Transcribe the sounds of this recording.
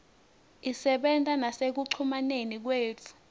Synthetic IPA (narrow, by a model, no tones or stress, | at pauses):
isɛɓɛntʼanasek̬uǀʰumanenik̬weːt͡fʰu̥